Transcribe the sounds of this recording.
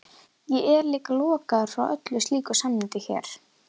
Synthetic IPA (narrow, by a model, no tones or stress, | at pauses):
jɛɛɾliːkalɔːkaðʏɾ̥fɾawʔœt̪lʏst̪liːkʏsamːɪnt̪ɪçɛ̰ːɾ̥